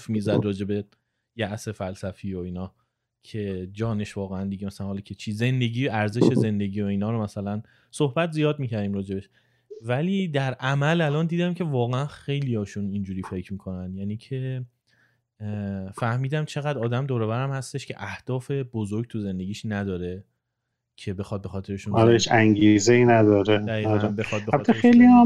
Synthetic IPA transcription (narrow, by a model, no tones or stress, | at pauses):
fmizæd̪rɒːd͡ʒe̞be̞ | jæʔse̞fælsæfiːoiːnɒː | cʰe̞d͡ʒɒːne̞ʃvɒːɣeænd̪iɡemæsælænhɒːlɒːkʰet͡ʃʰiːze̞nd̪e̞ɟiːæɾze̞ʃe̞ze̞nd̪e̞ɡiːo̞iːnɒːɾomæsælæn | sohbæt̪ʰzijɒːd̪miːcʰæɾd̪imɾɒːd͡ʒe̞beʃ | væliːd̪æɾʔæmælælɒːnd̪iːd̪æmcʰe̞vɒːɣeænxe̞jlijɒːʃunind͡ʒuːɾiːfe̞cʰmiːkʰo̞nænd̪jæːniːcʰe̞ | fæhmiːd̪æmt͡ʃʰe̞ɣæd̪ɒːd̪æmd̪oːɾovæɾæmhæst̪e̞ʃcʰe̞̰ʔæhd̪̥ɒːfe̞bozoɾɡ̚t̪ʰuze̞nd̪e̞ɡiːʃnæd̪ɒːɾe | cʰe̞be̞xɒːd̪̚be̞xɒːt̪ʰe̞ɾeʃunɒɾeʃæŋɡizeinæd̪ɒːɾed̪æiːɒæmbexɒːd̪̚beæbt̪ʰeejlia